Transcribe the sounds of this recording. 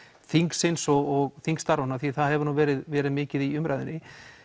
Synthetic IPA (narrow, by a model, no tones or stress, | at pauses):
θiŋksɪnsɔɣɔɣθiŋkst̪aɾvɔnaθiθaðhɛvʏɾnuːvɛːɾɪðvɛːɾɪðmɪːcɪðiʏmɾaːjðɪnːɪ